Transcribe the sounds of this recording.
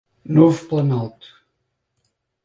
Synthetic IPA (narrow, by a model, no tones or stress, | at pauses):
novuplˠɐnawˠt̪u̥